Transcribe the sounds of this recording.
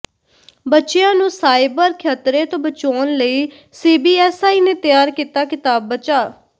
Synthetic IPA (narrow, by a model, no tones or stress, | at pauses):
bətːʃejãːnũːsaːɪbəɾkʰjaːt̪ɾeːt̪õːbət͡ʃoːnləiː | seːbiːɛːsaːiːneːt̪ɪjaːɾkiːt̪aːkɪt̪aːbːət͡ʃaː